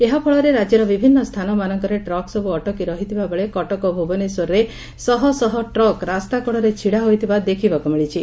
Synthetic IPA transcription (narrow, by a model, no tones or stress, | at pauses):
eɦapʰɔɭɔɾeɾad͡ʒjɔɾɔbibʱinːɔst̪ʰanɔmanɔŋkɔɾeʈɾɔksɔbuɔʈɔkiɾɔɦit̪ʰibabeɭekɔʈɔkɔbʱubɔnisɔɾːe | sɔɦɔsɔɦɔʈɾɔkɾast̪akɔɽɔɾet͡ʃʰiɽaɦojt̪ʰibad̪ekʰibɔkumiɭit͡ʃʰi